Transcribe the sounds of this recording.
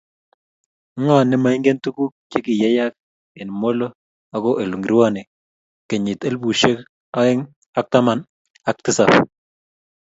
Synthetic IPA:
ŋa˦˨nɪ˦ma˨i˦ŋɡe˦ntu˦ku˦k̚t͡ʃe˦kɪ˨ja˦ja˦k̚ | e˨n˨mo˦lo˦ | a˨kɔ˦ʔe˨lu˨ŋɡi˨ɾwa˦˨ne˨ | ke˨ɲɪ˨te˦lbu˨ʃe˦k | a˦ɪ˦ŋ | a˦k̚ta˦ma˦n | a˨˦k̚tɪ˦sa˨f

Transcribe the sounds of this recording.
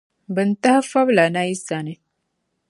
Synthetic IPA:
bə˨nt̪a˦hɐ˦fɐ˦bla˨na˦i˦sa˨ne˦

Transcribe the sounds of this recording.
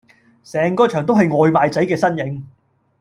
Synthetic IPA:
sɛː˨ŋkɔː˥t͡ʃʰœː˨˩ŋt̪wɦɐ˨jŋɔː˨˧jmaː˨˧jt͡sɐ˨˥jkɛː˧sɐ˥njɪ˨˥ŋ

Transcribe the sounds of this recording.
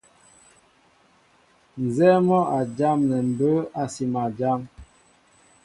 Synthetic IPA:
n̩˨zɛ˦mɔ˦ʔa˨d͡ʒa˦mnɛ˨m̩˨bə˦a˨si˨ma˨d͡ʒa˦m

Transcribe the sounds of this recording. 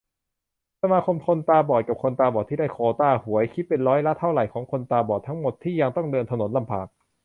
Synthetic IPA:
sa˧maː˧kʰo˧mkʰo˧nt̪aː˧bɔː˨˩ka˨˩p̚kʰo˧nt̪aː˧bɔː˨˩t̪ʰiː˥˩da˥˩jkʰoː˧t̪aː˥˧˩hu˩˦əjkʰi˦˥t̪̚pe˧nɾɔː˦˥jla˦˥t̪ʰːa˥˩wɾa˨˩jkʰɔː˩˦ŋkʰo˧nt̪aː˧bɔː˨˩t̪ʰa˦˥ŋmo˨˩t̪ʰːiː˥˩ja˧ŋt̪ɔ˥˩ŋdɤː˧nt̪ʰa˧no˩˦nla˧mpʰaː˨˩k̚

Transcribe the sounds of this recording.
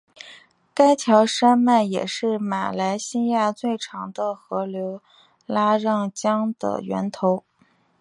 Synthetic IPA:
ka˥ɪt͡ɕʰjɑ˧˥ʊʂa˥nma˥˩njɛ̰˨˩ʂɻ̩˥˩ma̰˨˩la˧˥ɪɕi˥ja˥˧t͡swe˥˩ɪʈ͡ʂʰɑ˧˥ŋd̪ə˧xɤ˧˥ljo˧˥ʊ | la˥ɻɑ˥˩ŋt͡ɕjɑ˥ŋd̪ə̰˧˩ɥɛ̰˧˥nt̪ʰo˧˥ʊ

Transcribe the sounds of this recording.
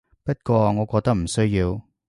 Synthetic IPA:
pɐ˥t̚kʷɔː˧ŋɔː˨˧kɔː˧k̚t̪ɐ˥k̚m̩˨˩sɵ˥ɥjiː˧w

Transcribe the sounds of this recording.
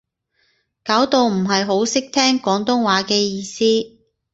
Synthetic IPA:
kaː˨˥wt̪o˨˧wm̩˨˩ɦɐ˨jɦo˨˥wsɪ˥k̚t̪ʰɛː˥ŋkɔː˨˥ŋt̪ʊ˥ŋwaː˨˥kɛː˧jiː˧siː˥

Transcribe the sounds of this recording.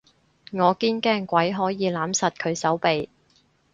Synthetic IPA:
ŋɔː˨˧kiː˥nkɛː˥ŋkʷɐ˨˥jɦɔː˨˥jiː˨˧laː˨˥msɐ˨t̚kʰɵ˨˧ɥsɐ˨˥wpe˨j

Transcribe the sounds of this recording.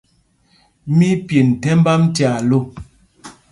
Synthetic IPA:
mi˦pje˨n̩˨tɛ˦m˦ba˦m˦tja˨lo˦˨

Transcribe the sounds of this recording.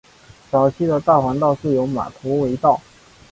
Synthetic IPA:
t͡sɑ˨˩ʊt͡ɕʰi˥˩d̪ə˨t̪a˥˩xwa˧˥nt̪ɑ˥˧ʊʂɻ̩˥˩jo˧˥ʊma̰˨˩t̪ʰɔ˧˥we˧˥ɪt̪ɑ˥˩ʊ

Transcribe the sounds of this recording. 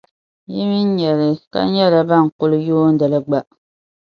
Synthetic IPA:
ji˦mi˦n˦ɲɛ˨lɪ˨ka̰˨˦ɲɛ˦ɾa˨ba˦˨ŋ̩˨kʊ˦lɨ˦joː˦n̩˦da˨lɨ˦ɡ͡ba˦

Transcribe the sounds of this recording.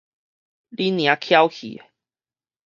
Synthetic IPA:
li˦nj̃ã˨˦kʰja˦wkʰḭ˨

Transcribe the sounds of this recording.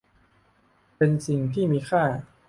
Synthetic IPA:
pe˧nsi˨˩ŋt̪ʰiː˥˩miː˧xʰaː˥˩

